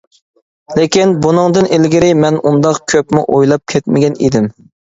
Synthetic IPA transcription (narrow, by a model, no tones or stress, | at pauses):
lekʲinbunɨŋd̪ɨnʔelɡʲɪɾɪmɛnund̪ɑqkʲʰøpmɪʔojlˠɑp̚kʲʰɛt̪mɪɡʲɛnḭd̪ɪm